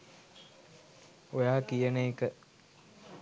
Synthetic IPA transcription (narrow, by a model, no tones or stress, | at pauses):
ojaːkijənəekə